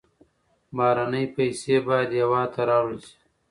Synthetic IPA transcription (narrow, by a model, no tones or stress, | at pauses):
bɑːɾanəjpɐjsebɑjad̪jɐwɑːt̪ʰaɾɑːwlsi̥